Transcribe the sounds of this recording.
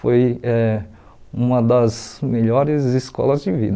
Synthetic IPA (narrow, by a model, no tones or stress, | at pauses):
fojɛ | ũmɐd̪ɐzmeʎɔɾɪziskɔ̰lɐzd͡ʒɪvḭd̪